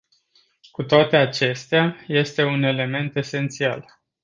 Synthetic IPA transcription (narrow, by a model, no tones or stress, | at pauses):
kut̪oat̪e̞at͡ʃe̞st̪eaje̞st̪e̞une̞le̞me̞nt̪e̞se̞nt̪sia̰l